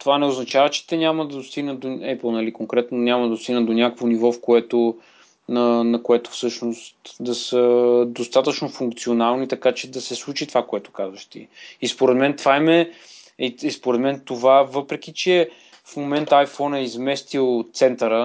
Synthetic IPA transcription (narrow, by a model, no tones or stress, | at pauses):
t̪ovanɛoznɐt͡ʃavət͡ʃɛ̥t̪ɛnʲaməd̪ɐd̪ost̪iɡnəd̪oɛpl̩ˠnɐlikoŋkɾɛt̪nonʲamɐd̪ɐd̪ost̪iɡ̪nəd̪onʲjakəkvonivɔfkoɛt̪o | nənɐkoɛt̪o̥fsɤʃnost̪d̪ɐsəd̪ost̪at̪ət͡ʃnofuŋkt̪sionalˠnit̪ɐkat͡ʃɛd̪ɐsɛslˠut͡ʃit̪ovakoɛt̪o̥kazvəʃt̪iispoɾɛd̪mɛnt̪vaimɛ | iispoɾɛd̪mɛnt̪ovavɤpɾɛkʲit͡ʃɛ | fmomɛnt̪əajfɔnɛizmɛst̪ilˠt̪sɛnt̪əɾə